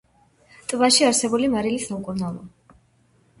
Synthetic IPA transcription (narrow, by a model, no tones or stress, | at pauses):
t̪ʼbaʃiaɾsɛbulimaɾilisamkʼuɾnalˠɔ